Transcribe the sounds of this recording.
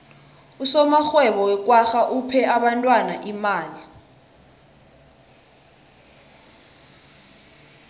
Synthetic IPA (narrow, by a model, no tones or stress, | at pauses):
usɔmaxwɛɓɔwɛk̬ʼwaxaʔupʰɛaɓantʼwanaʔimaːli